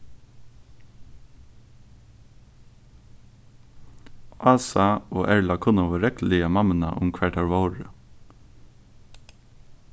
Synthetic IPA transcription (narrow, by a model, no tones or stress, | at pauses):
ʔɑːsɑoːʔæɹlɑkʰʊnɑʋəɾɛkl̩ɪɑmɑmənɑ̰ʔʊmkʰʋæʈɑɹʋɑʊɹə